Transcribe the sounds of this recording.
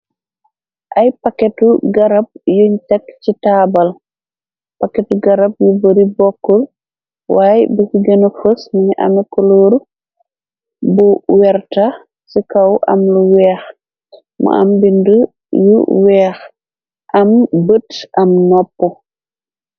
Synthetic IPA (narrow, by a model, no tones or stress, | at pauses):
ʔɐjpɐkːɛtuɡɐɾɐb̚juɲtɛkcitaːbɐl | pakːɛtuɡɐɾɐb̚jubəɾibɔkːul | waːjbɐsiɡɐnɐfəsmɐɲʔɐ̰mɛkɔloːɾ | buwɛrta | sikɐwʔɐ̰mluwɛːx | mɐ̰ʔɐ̰mbindu | jṵwɛːx | ʔɐmbətʔɐmnɔpːɔ